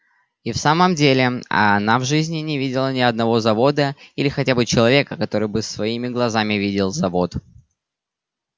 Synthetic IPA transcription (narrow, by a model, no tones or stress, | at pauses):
ifsaməmdʲelʲɪɐ̰navʐɨzʲnʲɪnʲɪvʲidʲɪlˠənʲɪɐd̪̚nɐvo̞zɐvo̞d̪əilʲɪxɐtʲabɨt͡ɕɪlˠɐvʲe̞kəkɐt̪o̞ɾɨjbɨsvɐimʲɪɡlˠɐzamʲɪvʲidʲɪlˠzɐvo̞t̪